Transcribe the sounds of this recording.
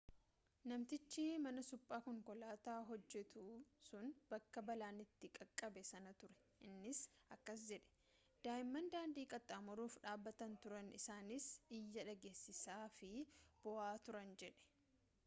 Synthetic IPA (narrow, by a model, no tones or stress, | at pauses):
nɐmt̪ɪt͡ʃːɪmɐnɐsʊpʼːaːkɔŋkɔlaːt̪aːɦɔd͡ʒːɛt̪usʊnbɐkːɐbɐlaːnɪt̪ːɪkʼɐkʼːɐbɛsɐnɐt̪ʊɾɛ̥ | ʔɪnːɪsɐkːɐsd͡ʒɛᶑɛ̥ | d̪̥aːɪmːɐnd̪aːnd̪iːkʼɐt̪ʼːaːmɔɾuːfᶑaːbːɐt̪ɐnt̪ʊɾɐnɪ̰saːnɪsɪjːɐᶑɐɡeːsːɪsaːfɪb̥ɔʔaːt̪ʊɾɐnd͡ʒɛᶑɛ̥